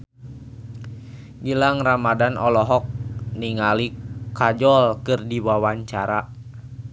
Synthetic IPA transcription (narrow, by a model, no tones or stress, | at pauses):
ɡilaŋramadanɔlɔɦɔk̚niŋalikad͡ʒɔlkɨrdiwawaɲt͡ʃaɾa